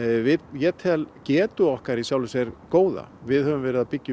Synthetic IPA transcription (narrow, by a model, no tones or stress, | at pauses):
vɪjɛːt̪ʰɛlcɛːt̪ʏɔhkaɾisjaːwlʏsɛɾkoːwða̰vɪðhœvʏmvɛːɾɪðapɪcː